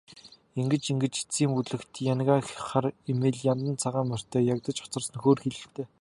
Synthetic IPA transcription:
iŋɡɘ̆t͡ɕiŋɡɘ̆t͡ɕi̥t͡siːmpuɮɘ̆kt̪janɣaːxχaremeːɮjamt̪ə̆nt͡sʰaʁaːmœr̥ʲt̪ʰœːjakt̪ə̆t͡ɕɔ̥t͡sɞ̆rsə̆nxoːrxeɮɘ̆t̪ʰeː

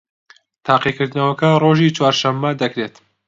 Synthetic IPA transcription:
t̪ʰɑːqikɨɾd̪nɐwɐkɐroːʒit͡ʃʰwaːɾʃɐmːɐd̪ɐkɾet̪

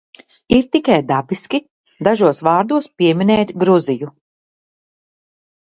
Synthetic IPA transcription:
iɾt̪ikajd̪abiskʲi | d̪aʒuɔsvɑːɾd̪uɔspiɛminɛːt̪ʲɡɾuziju

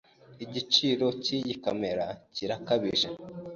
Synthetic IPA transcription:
iɟit͡ʃiɾo̞ciɟikame̞ɾaciɾakaβiʒa

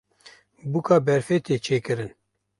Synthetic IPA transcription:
bukɑːbɛɾfet̪eːt͡ʃʰeːkɨɾɨn

